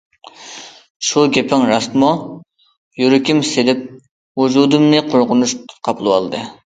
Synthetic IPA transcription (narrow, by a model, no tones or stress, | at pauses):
ʃuɡʲepʰɪŋɾɑsmu | jyɾykʲʰimselɪp̚ | wud͡ʒud̪ɨmnɨqʰoɾʁʊnuʃqʰɑpʰlˠɨwɑ̰lˠd̪ɨ